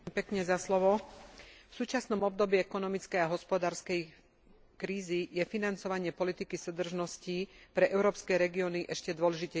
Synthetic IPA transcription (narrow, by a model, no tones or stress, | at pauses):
mpɛkɲɛzaslɔʋɔ | fsuːt͡ʃasnɔmɔbd̪ɔbiɛkɔnɔmit͡skɛjaɦɔspɔd̪aːɾskɛj | kɾiːzijɛfinant͡sɔʋaɲɪɛpɔlit̪ikisud̪r̩ʒnɔscipɾɛʔɛʊɾɔːpskɛɾɛɡiɔniʔɛʃcɛd̪ʋɔlɛʒicɛ